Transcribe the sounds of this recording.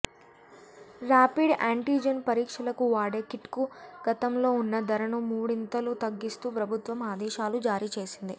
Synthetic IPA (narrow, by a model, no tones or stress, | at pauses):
ɾaːpiɖaːɳʈiːd͡ʒɐnpɐɾiːkʂɐlɐkuʋaːɖeːkiʈkuɡ̥ɐt̪ɐmlo̞ːunːɐd̪ɐɾɐnumuːɽint̪ɐlut̪ɐɡːist̪uːpɾɐbʱut̪ʋɐmaːd̪ɛːʃaːlud͡ʒaːɾiːt͡ʃe̞ːsind̪i